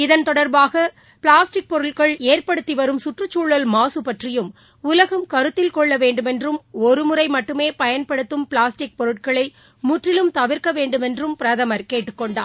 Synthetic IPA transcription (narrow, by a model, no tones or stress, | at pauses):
ɪðɐnt̪ɔɽɐɾbaːɣɐ | pɪɭaːsʈɪk̚pɔɾɯɭkɐɭeːrpɐɽɯt̪ːiʋɐɾɯmsʊʈrɯt͡ʃːuːɭːɐlmaːsɯpɐʈrɪjɯm | ʊlɐɣɐmkɐɾɯt̪ːɪlkɔɭːɐʋeːɳɖɯmɛndrɯmɔɾɯmʊɾɐɪmɐʈːɯmeːpɐjɐnpɐɽɯt̪ːɯmpɪɭaːsʈɪk̚pɔɾɯʈ̚kɐɭɐɪ | mʊʈrɪlɯmt̪ɐʋɪɾkɐʋeːɳɖɯmɛndrɯmpɪɾɐðɐmɐɾkeːʈːɯkːɔɳɖa̰ː